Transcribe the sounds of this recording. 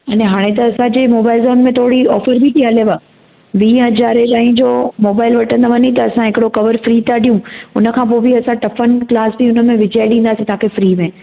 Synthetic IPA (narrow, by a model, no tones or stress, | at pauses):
ɐnẽɦaːɽ̃et̪ɐɐsãd͡ʑeːmoːbaːɪlzoːnmẽt̪ʰoːɽiɔːfəɾbiʈiɦɐleʋaː | ʋĩːɦɐzaːɾedaːɦĩd͡ʑoːmoːbaːɪlʋɐʈʰə̃nd̪aʋɐɲit̪̬ɐɐsãɦɪkɪɽokɐʋəɾfɾiːt̪aɖʱijũʊnə̆kʰãːp̬oːbʱiɐsãʈɐfənklaːsbiʊnə̆mẽʋɪd͡ʑaːɪɗĩːn̆d̪aːsĩt̪ɐɦãkʰefɾiːmẽ